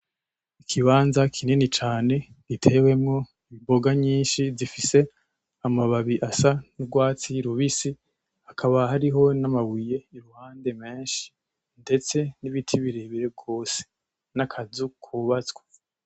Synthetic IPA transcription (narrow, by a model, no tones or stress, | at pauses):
ikʰiβaːnzakʰininit͡ʃaːne̞ | ɡitʰe̞we̞mŋo̞ | iβibo̞ɡaɲiːnʃizifise̞ | amaβaβiʔasanibɡwaːt͡siɾuβisi | akʰaβahaɾiɦo̞namawije̞iɾuhaːnde̞me̞ːnʃi̥ | nde̞t͡se̞niβitʰiβiɾeβiɾeɡo̞ːse̥ | nakʰazukʰuβat͡sɡwḁ